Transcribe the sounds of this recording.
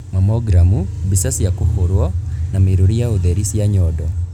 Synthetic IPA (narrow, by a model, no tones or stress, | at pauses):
mamɔɡɾamubisasjakohoɾwɔnameɾoɾijaoðɛɾisjaɲɔdɔ